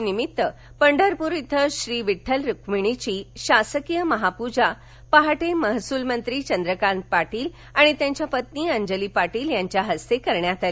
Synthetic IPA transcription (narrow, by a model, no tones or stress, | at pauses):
nimit̪ːə | pəɳɖʱəɾpuɾit̪ʰːəɕɾiːʋiʈʰːəlɾukmiɽ̃it͡ɕiːɕasəkijəməɦapud͡ʑa | paɦaʈeməɦsuːlmənt̪ɾiːt͡ɕənd̪ɾəkan̚paʈiːl | aɽ̃it̪jãɲt͡ɕjapət̪niːəɲd͡ʑəliːpaʈiːljaɲt͡ɕjaɦəst̪ekəɾɳjat̪ali